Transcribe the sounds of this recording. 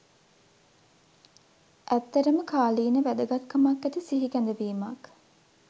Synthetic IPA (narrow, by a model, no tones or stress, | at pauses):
ʔæt̪ːɐɾəməkʰaːliːnəʋæd̪əɡat̪kːəmakːæt̪isiɦikænd̪əʋiːmak